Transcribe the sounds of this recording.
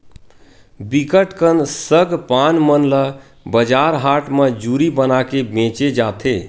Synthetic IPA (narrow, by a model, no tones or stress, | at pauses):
bikəʈkənsəɡpanmənlə | bəd͡ʒaɾɦaʈmed͡ʒuɾibənakebẽt͡ʃed͡ʒat̪ʰe